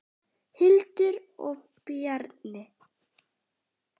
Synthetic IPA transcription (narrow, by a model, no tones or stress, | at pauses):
hɪlt̪ʏɾɔ̰ɣ | pjaɾnɪ